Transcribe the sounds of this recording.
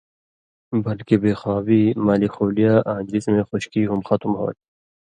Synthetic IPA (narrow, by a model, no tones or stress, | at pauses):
bɐlkebeːxaːwiːmaːlikxoːlijaːʔãːd͡ʒɾismẽxʊɕkiːɦumxɐt̪umɦo̰ːt̪